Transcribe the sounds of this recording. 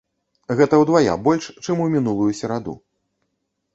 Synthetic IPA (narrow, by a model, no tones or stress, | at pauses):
ɣɛt̪ɐwd̪vaja̰bɔlʲʂt͡ʂɨmumʲinulˠujusʲɛɾad̪ṵ